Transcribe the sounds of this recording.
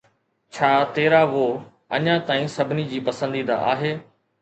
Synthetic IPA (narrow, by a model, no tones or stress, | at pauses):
t͡ɕʰaːt̪eːɾaʋoː | ɐ̰ɲãt̪aːĩsɐbʱɪnid͡ʑiːpɐsə̃nd̪iːd̪a̰a̰ːɦeː